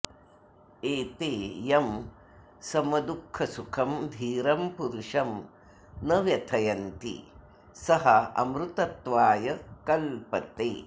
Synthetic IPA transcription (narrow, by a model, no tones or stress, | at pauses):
eːt̪eːjɐm | sɐmɐd̪ukʰːɐsukʰɐmd̪ʱiːɾɐmpuɾuʂɐm | nɐʋjɐt̪ʰɐjɐnt̪ḭ | sɐɦɐɐ̰mɾut̪ɐt̪ʋaːjɐkɐlpɐt̪eː